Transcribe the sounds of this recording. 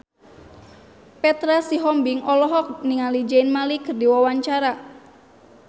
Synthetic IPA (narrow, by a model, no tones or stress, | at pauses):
pɛt̪ɾasiɦɔmbɪŋɔlɔɦɔk̚niŋalid͡ʒanmalikərdiwawaɲt͡ʃaɾa